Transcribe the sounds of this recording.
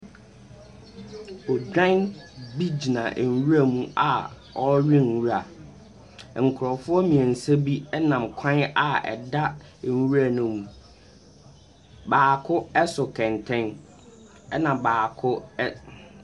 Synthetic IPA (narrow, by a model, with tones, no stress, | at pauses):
ɔ˨d͡ʑᶣã˦nbi˦d͡ʑi˨nã˨ʔwu˦a˨mũ˦a˨ | ɔ˦ɥĩ˦n˨wu˦ɾa˨ | ŋ̩˨kʰʊ˨ɾɔ˨fʊ˦ɔ˦mĩ˨ɛ̃˨n̩˨sɛ˦bi˦ɛ˦nã˨m̩˨kʷʰã˦na˨ɛ̰˨da˦˨ | wu˦ɾa˦˨nũ˦m | baː˨kʰʊ˦ɛ˦sʊ˨kʰɛ̃˨ntʰɛ̃˦n | ɛ˦nã˨baː˨kʰʊ˦